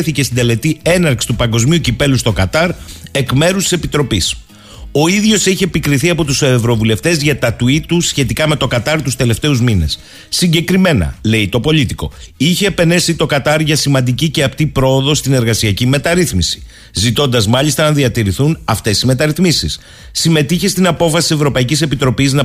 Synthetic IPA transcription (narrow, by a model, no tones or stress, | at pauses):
θicest̪ind̪e̞le̞t̪ie̞nɐɾksi̥t̪upɐŋɡo̞zmiucipe̞lust̪o̞kɐt̪ɐɾe̞kme̞ɾust̪ise̞pit̪ɾo̞pis | o̞iðʝo̞siçiepikɾiθiɐpo̞t̪usevɾo̞vule̞ft̪e̞zʝɐt̪ɐt̪uit̪usçe̞t̪ikɐme̞t̪o̞kɐt̪ɐɾt̪ust̪e̞le̞ft̪e̞uzmine̞̰sː | iɲɟe̞kɾime̞nɐ̰le̞it̪o̞po̞ʎit̪iko̞̰içeːpe̞nesit̪o̞kɐt̪ɐɾʝɐsimɐnd̪icice̞ɐpt̪ipɾo̞ːðo̞st̪ine̞ɾɣɐsiɐcime̞t̪ɐɾiθmisi̥ | zit̪o̞nd̪ɐzmɐʎist̪ɐnɐðiɐt̪iɾiθunɐft̪e̞sime̞t̪ɐɾiθmisisː | ime̞t̪içest̪inɐpo̞fɐsie̞vɾo̞pɐicise̞pit̪ɾo̞piznɐ